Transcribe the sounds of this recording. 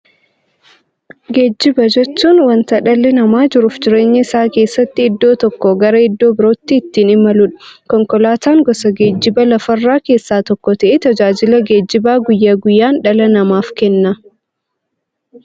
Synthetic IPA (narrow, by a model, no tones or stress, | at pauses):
ɡe̞ːd͡ʒːɪbɐd͡ʒɛt͡ʃːuːnwɐnt̪ɐᶑɐlːɛnɐmaːd͡ʒɪɾʊːfd͡ʒɪɾe̞ːɲːɐɪsaːke̞ːsːɐt̪ːɪːd̪ːo̞ːt̪ɔkːɔɡɐɾɐɪd̪ːoːbɪɾo̞ːt̪ːiːt̪ːiːnɪmɐlʊᶑɐ̥kɔŋkɔlaːt̪aːŋɡɔsɐɡe̞ːd͡ʒːɪbɐlɐfɐrːaːke̞ːsːaːt̪ɔkːɔt̪ɐʔɛt̪ɐd͡ʒaːd͡ʒɪlɐɡe̞ːd͡ʒːɪbaːɡʊjːaːɡʊjːaːnᶑɐlɐnɐmaːfkɛnːɐ